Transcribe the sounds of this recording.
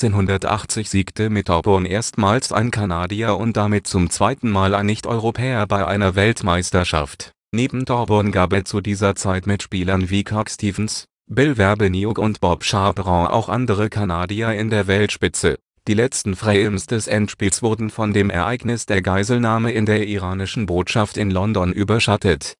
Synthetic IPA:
t͡seːnɦʊndɐtʔa̰χt͡sɪçz̥iːktʰəmɪt̚ʰɔbʊnʔeːɐstmaːlsʔa̰ɪnkʰanaːdiaʊnt̚d̥amɪt̚t͡sʊmt͡sv̥aɪtn̩maːlaɪnːɪçtʔɔ̰ʏʁopʰɛːɐbaɪʔa̰ɪnɐvɛltmaɪstɐʃa̰ft | neːbm̩dʰɔbʊnɡaːp̬ɛst͡sudiːzɐt͡saɪtmɪtʃpiːlɐnviːkʰɔkstʰiːvn̩s | bɪlvɛɐbəniʊkʊntb̥ɔpʃaːbʁɔ̃ʔa̰ʊxʔa̰ndəʁəkʰanaːdiaɪndeːɐvɛltʃpɪt͡sə | d̥iːlɛt͡stn̩fʁ̥aɪmsd̥ɛsʔɛntʃpiːlsv̥ʊɐdn̩fɔndeːmʔɛ̰ɐʔa̰ɪɡnɪsd̥eːɐɡaɪzl̩naːməɪndeːɐʔiʁaːnɪʃn̩boːtʃaftɪnlɔndɔnʔyːbɐʃatʰət

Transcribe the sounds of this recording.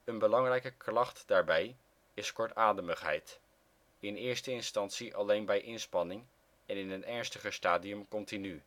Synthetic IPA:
ənbəlɑŋrɛjkəklɑχtdaːɹbɛj | ɪskɔɹtaːdəməχɦɛ̰jt | ɪnɪːɹstəɪnstɑntsiʔɑlejnbɛjʔɪnspɑnɪŋ | ɛnɪnənɛɹnstəχəstaːdiɵmkɔntiny

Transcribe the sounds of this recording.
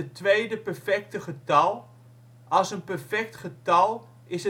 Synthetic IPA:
ətʋejdəpɛɹfɛk̚təχətɑlˠ | ʔɑlˠsənpɛɹfɛk̚tχətɑlˠ | ɪsə

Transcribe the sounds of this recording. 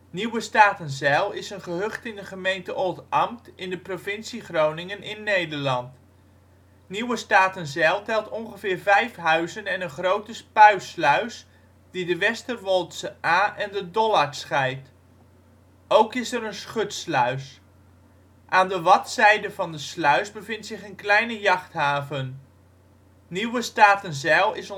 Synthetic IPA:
niwəstaːtənzɛlˠɪsənχəɦɵχtɪndəχəmejntəʔolˠtɑmtɪndəprovɪnsiχrownɪŋənʔɪnːejdəɹlɑnt | niwəstaːtənzɛlˠtɛlˠtɔnχəvɪːɹvɛjfɦœɥzənɛnənχrowtəspœɥslœɥs | didəʋɛstəʋɔlˠtsəʔaːʔɛndədɔlaɹsχɛjt | owkɪsɛɾənsχɵtslœɥs | ʔaːndəʋɑtsɛjdəvɑndəslœɥsbəvɪntsɪχənklɛjnəjɑχtɦaːvən | niwəstaːtənzɛlˠɪs

